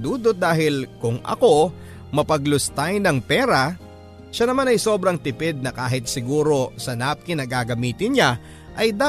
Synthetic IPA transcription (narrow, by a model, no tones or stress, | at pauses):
d̪uːd̪ot̪̚d̪aːɦɪlkʊŋʔɐ̰ko̞ | mɐpɐɡlʊst̪ajnɐŋpɛːɾɐ | ʃɐnɐmanɐjso̞bɾɐŋt̪ɪpɛd̪̚nɐkaːɦɪt̪̚sɪɡuːɾo̞sɐnap̚kɪnɐɡaːɡɐmiːt̪ɪnɲa | ʔɐjd̪a